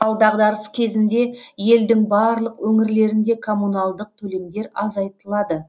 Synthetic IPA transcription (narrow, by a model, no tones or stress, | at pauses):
ɑlˠd̪ɑʁd̪ɑɾəskʲʰe̞zɪnd̪e̞je̞ld̪ɪŋbɑːɾlˠəqwɵŋɪɾle̞ɾɪnd̪e̞kʰo̞mːunɑlˠd̪əq̚t̪ʰɵle̞md̪e̞ɾɑzɑjt̪əlˠɑd̪ə